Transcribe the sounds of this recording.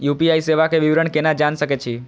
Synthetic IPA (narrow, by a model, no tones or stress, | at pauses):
jupiaiseʋakeʋɪʋɾəɳkenad͡ʒanʃəket͡ʃʰi